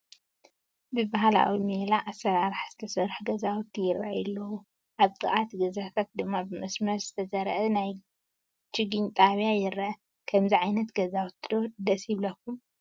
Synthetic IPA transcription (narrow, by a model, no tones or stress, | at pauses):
bɨbaɦala̰wimelaʔasɐɾaɾħz̥ɨt̪ʰɐsɐɾħɡɐzawt̪ʰːijɪɾa̰ʔjɛlːɐwu | ʔaβt̪ʼɨ̰ʔat̪ɡɐzakʰat̪̚d̪ɨmːabɨmɐsmɐɾz̥ɨt̪ʰɐzɐɾʔɐnaj | t͡ʃɪɡɨnt̪ʼaβjajɪɾːɐʔ | kʰɐmziʕajnɐt̪ɡɐzawt̪ʰd̪od̪ɐsiβlɐkːum